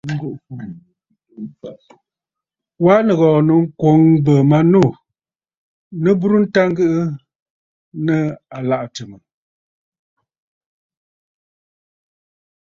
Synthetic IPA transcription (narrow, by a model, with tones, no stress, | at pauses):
ŋ̩˦ɡu˦ʔfu˦˨fa˦˨ | waː˦nə˨ɣɔː˨nə˨ŋ̩˦kwo˨˦ŋbə˨ma˨nu˦˨ | nə˦bu˦ɾu˦n̩˦ta˦ŋɡɨ˦ʔɨ˦ | nə˦a˨la˨ʔtə˨mə˨